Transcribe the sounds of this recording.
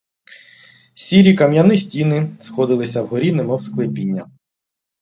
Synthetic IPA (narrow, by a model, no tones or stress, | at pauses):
sʲiɾʲikɐmʲjɐnɪsʲtʲinɪsxɔd̪ɪlˠɪsʲɐwɦɔɾʲinɪmɔwsklˠɪpʲinʲːɐ